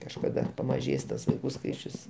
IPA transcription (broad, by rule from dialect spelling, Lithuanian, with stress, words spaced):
kɐʃkɐˈdɐ pɐmɐˈʒʲeːs tɐs ʋɐɪˈkuː ˈskɐɪt͡ʃʲʊs